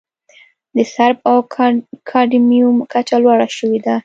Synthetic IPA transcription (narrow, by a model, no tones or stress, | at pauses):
d̪əsaɾbawkʰɑɖimiumkat͡ʃalwɑɽaʃəwed̪a